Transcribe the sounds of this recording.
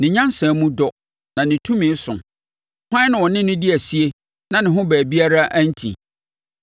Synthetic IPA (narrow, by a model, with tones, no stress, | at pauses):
nɪ̃˨ɲã˦n˦sãː˨˦mũ˦dɔ˨ | nã˨nɪ̃˨tʰũ˦mɪ̃˨˦sʊ̰̃˨ | hã˦nʊ̃˨wɔ˨nɪ̃˦nʊ̃˦di˦æ˨si˦e˦ | nã˨nɪ̃˨ɦʊ̃˦bæː˨bi˦a˦ɾa˦ʔæ˦n̩˦tʰḭ˨